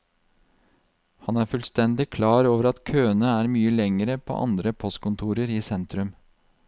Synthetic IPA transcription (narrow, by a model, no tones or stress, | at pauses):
hɑnæːɾfʉlst̪ɛnd̪ɪkʰlɑːɾoːʋəɾɑt̪kʰøːənəæːɾmyːəlɛŋəɾəpʰo̰ːʔɑ̰nd̪ɾəpʰɔst̪̚kʊnt̪ʰuːɾəɾiːsɛnt̪ɾʉm